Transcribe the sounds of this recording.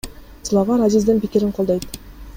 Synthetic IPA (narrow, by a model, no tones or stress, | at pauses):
slˠɑvɑɾazizd̪ɪnpikʲiɾɪɴqʰolˠd̪ɑjt̪